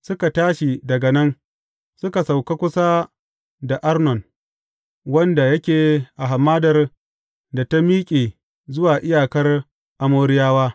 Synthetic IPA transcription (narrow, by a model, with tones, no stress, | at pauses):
sʊ˦ka˨taː˦ʃi˨dɐ˨ɡɐ˨nɐ˦n | sʊ˦ka˨sa˨wka˦kʷʊ˦sa˦ | da˨ʔa˦rnɔ˨n | wɐ˦nda˨jɐ˦kʲeː˨ʔa˨ɦa˨mːaː˦dɐ˨r | da˨ta˦miː˦kʲʼeː˨ | zʊ˦waː˨ʔɪ˦jaː˨kɐ˦r | ʔa˨moː˦ɾɪ˦jaː˦waː˦